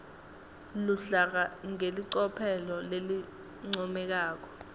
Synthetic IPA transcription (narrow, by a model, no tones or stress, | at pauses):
luɬak̬aŋeliǀɔpʰɛlɔleli | ŋ͡ǀɔmɛk̬aːk̬ɔ̥